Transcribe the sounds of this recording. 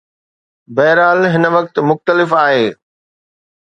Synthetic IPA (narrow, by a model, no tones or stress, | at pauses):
bɐːɪɾaːlɦɪnə̆ʋɐk̚t̪mʊxt̪əlɪfaːɦeː